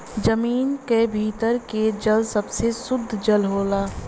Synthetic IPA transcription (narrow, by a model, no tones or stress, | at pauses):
d͡ʒəmiːnkebʱiːt̪əɾked͡ʒəlsəbsesʊd̪ʱːd͡ʒəlɦoːlaː